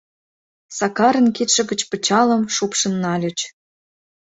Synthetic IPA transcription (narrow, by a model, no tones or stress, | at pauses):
sɑkɑɾə̆nket̪ʃə̆ɣə̆t͡ɕpə̆t͡ɕɑlə̆mʃupʃə̆nːɑlʲət͡ɕ